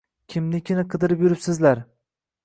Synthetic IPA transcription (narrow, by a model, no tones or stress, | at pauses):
kʲʰɪmnɪkʲʰɪnaɪqʰɨd̪ɪɾɪpjʊɾɪpsɪzlaɾ